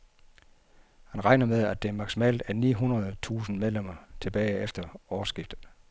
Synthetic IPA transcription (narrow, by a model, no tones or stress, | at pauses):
hænʁɑ̈ɪnɐmeð̞ˠæd̥e̝æɐmɑ̈ɡ̥simɛ̰ːld̥æɐnḭːɦunɐð̞ˠt͡sʰṵːsn̩með̞ˠlem̰ɐt͡sʰe̝b̥ɛːɪefd̥ɐɒːsɡ̥ifd̥ð̩ˠ